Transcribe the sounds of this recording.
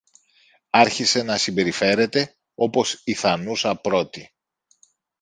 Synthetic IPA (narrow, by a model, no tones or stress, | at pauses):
ɐɾçise̞nɐsimbe̞ɾife̞ɾe̞t̪e̞ | o̞po̞siθɐnusɐpɾo̞t̪i